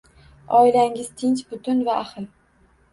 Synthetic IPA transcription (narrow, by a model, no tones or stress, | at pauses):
ɒɪlaŋɪz̥t̪ʰɪnt͡ʃbʊt̪ʰʊnvaʔːχɨl